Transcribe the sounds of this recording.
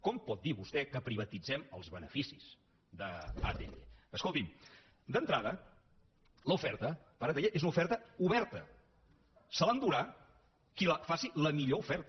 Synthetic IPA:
kɔmpɔt̪̚d̪iβust̪ɛkəpɾiβ̞ət̪id͡zɛmə̰lˠzβənəfisiz | d̪əa̰t̪ḛʎḛəskolˠt̪im | d̪ənt̪ɾaðə | ləufɛɾt̪ə | pəɾat̪eʎeʔezunufɛɾt̪əuβɛɾt̪ə | səland̪uɾa | kiləfasiləmiʎoufɛɾt̪

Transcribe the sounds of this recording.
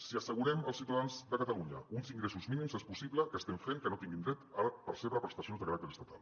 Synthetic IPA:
siəsəɣuɾɛməlˠsiwt̪aðanzd̪əkət̪əluɲə̰unziŋɡɾesuzminimzespusiβləkəst̪ɛmfeŋkənot̪iŋɡind̪ɾɛt̪aɾpəɾseβɾəpɾəst̪əsionzðəkaɾak̚t̪eɾəst̪at̪ʰa̰lˠ

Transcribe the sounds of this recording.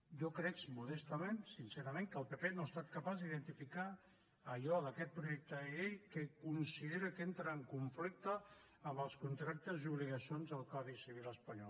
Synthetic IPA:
ʒɔkɾɛksmuðɛst̪əmensinseɾəmeŋkəːlˠpepenoest̪at̪kəpazðiðənt̪ifikaː | ʎɔðəkɛt̪̚pɾuʒɛk̚t̪əejkəkunsiðeɾəkent̪ɾəːŋkuɱflik̚t̪əː | mbəlˠskunt̪ɾak̚t̪əziuβliɣəsionzəlˠkaβisiβ̞iləspəɲɔl

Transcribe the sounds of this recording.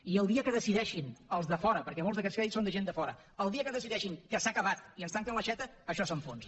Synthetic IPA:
iəlˠd̪iəkəðəsiðɛʃinəlˠzðəfɔɾəpəɾkɛmolzðəkɛt͡ssfɛisond̪əʒend̪əfɔɾə̰ | əlˠd̪iəkəðəsiðɛʃiŋkəsakəβat̪iənst̪aŋkənləʃɛt̪əːʃɔsoɱfons

